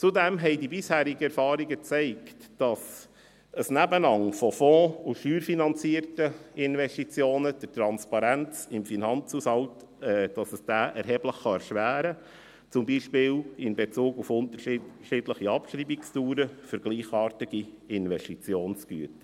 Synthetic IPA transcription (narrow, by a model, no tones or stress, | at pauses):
t͡sudɛmɦɛɪdibɪshæːɾiɡəɛɾfɑːɾiɡət͡sɛɪktd̥ɑs | əsnæbənɑŋfɔfɔ̃ːuʃyːɾfinɑnt͡siəɾtəɪnʋɛʃtit͡sjoːnəd̥ətɾɑnspɑɾænt͡sɪmfinɑnt͡shushɑlt | ɛd̥ɑsəsd̥æːʔɛɾɦɛːbləχːɑɛɾʃʋæːɾə | t͡sʊmbiːʃpɪːlɪnbet͡suːɡufʊnt̪əʃɪdləχiɑpʃɾiːbikstuːɾəfʏɾɡ̥liːχɑːɾtiɡ̥i | ɪnʋɛʃtit͡sjoːnsɡ̥yət